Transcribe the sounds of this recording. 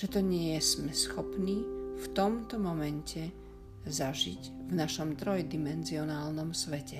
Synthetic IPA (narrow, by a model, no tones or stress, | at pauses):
ʒ̥ɛt̪ɔɲɪɛjɛsmɛsxɔpniːft̪ɔmt̪ɔmɔmɛncʰɛ | zaʒiɟvnaʃɔmt̪ɾɔjd̪imɛnziɔnaːlnɔmsʋɛcɛ